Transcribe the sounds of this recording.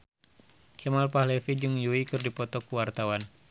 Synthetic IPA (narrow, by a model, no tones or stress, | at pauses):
kʰɛmalpahlɛfid͡ʒɨŋjuikɨrdipɔt̪ɔkuwart̪awan